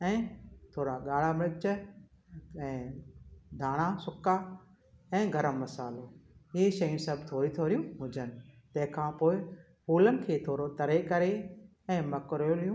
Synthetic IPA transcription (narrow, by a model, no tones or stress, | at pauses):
ɛ̃ːt̪ʰoːɾaɠaːɽ̤amɪlɪt͡ʃ | ɛ̃ː | d̪ʱaːɽ̃asʊkːaː | ɛ̃ːɡʱɐɾəmːɐsaːloɪeʃɐjũnsɐb̚t̪ʰoːɾĩt̪ʰoːɾjũɦʊd͡ʑʱənɪ̆t̪ɛ̃ɦɪ̃kʰãːpoːɪ | puːlənɪ̆kʰeːt̪ʰoːɾot̪ɐɾekɐɾe | ɛ̃ːmɐkɾjolɪjũː